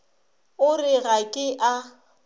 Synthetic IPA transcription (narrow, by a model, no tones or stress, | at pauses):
ʊrɪɣakʼɪʔa